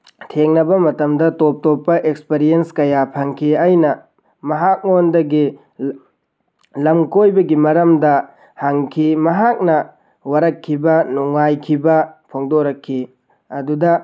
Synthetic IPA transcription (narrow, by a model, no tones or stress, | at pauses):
tʰeŋnɐbɐmɐtɐmdɐtop̚topːɐʔek̚speɾijenskɐjapʰaŋkʰiɐjnɐ | mɐɦak̚ŋondɐɡi | lɐmkojbɐɡimɐɾɐmdɐ | haŋkʰimɐɦak̚nɐ | wɐɾɐkʰːibɐnuŋːajkʰibɐpʰoŋdoɾɐkʰːi | ɐdudɐ